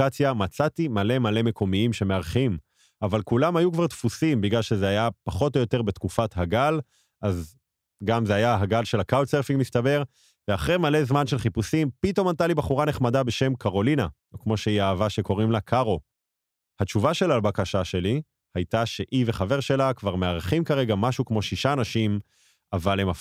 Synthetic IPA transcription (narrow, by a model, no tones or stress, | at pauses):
at͡sjamat͡satimale̞male̞me̞ko̞miimʃe̞meaʁχim | avalkulamhajukvaʁt̪fusimbiɡlalʃezeajapaχo̞t̬o̞jo̞te̞ʁbe̞t̪kufathaɡal | ʔaz | ɡamzeajaɦaɡalʃe̞lakaoseʁfiŋmist̪abe̞ʁ | veaχʁemale̞zmanʃe̞lχipusimpito̞mant̪̬alibaχuʁane̞χmadabe̞ʃe̞mkaʁo̞lina | okmo̞ʃeiaːvaʃe̞ko̞ʁimlakʰaʁo̞ | hat͡ʃuvaʃe̞laːlbakaʃaʃe̞li | hajtaʃe̞ʔiveχave̞ʁʃe̞lakvaʁmeaʁχimkaʁe̞ɡamaʃukmo̞ʃiʃaːnaʃim | avalema